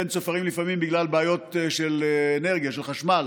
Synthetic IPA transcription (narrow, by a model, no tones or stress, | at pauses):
ent͡sofaʁimlifamimbiɡlalbeajo̞t̪ʃeleneʁɡijaʃelχaʃmal